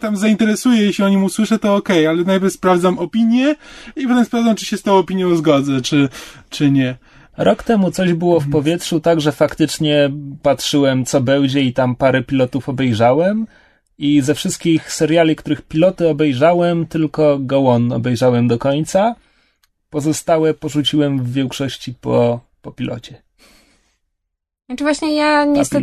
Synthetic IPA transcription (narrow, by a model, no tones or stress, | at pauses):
t̪amzaint̪ɛɾɛsujɛjeɕʲiɔɲimuswɘʂɛt̪ɔɔkɛjalɛnajpʲjɛɾfspɾavd̪zamɔpʲiɲjɛipɔt̪ɛmspɾavdd͡z̪amt͡ʂɨ̥ɕɛst̪ɔ̃w̃ɔpʲiɲjɔ̃w̃zɡɔd̪zɛt͡ʂɘt͡ʂɘɲɛ | ɾʔɔkt̪ɛmut̪sɔʑbɘwɔfpɔvʲjɛtʂut̪aɡʐɛfakt̪ɘt͡ʂɲɛpatʂɘwɛmt̪sɔbɛwd͡ʑɛit̪ampaɾɛpʲilɔt̪ufɔbɛjʐawɛm | izɛfʂɘst̪̚kʲixsɛɾjalʲikt̪uɾɘxpʲilɔt̪ɘɔbɛjʐawɛmt̪ɘlkɔɡɔwɔnɔ̰bɛjʐawɛmd̪ɔkɔɲt̪sa | pɔzɔst̪awɛpɔʐut͡ɕiwɛmvːʲjɛŋkʂɔɕt͡ɕipɔ | pɔpʲilʔɔ̰t͡ɕɛ | t͡ʂɨvwaɕɲɛjaɲɛsɛ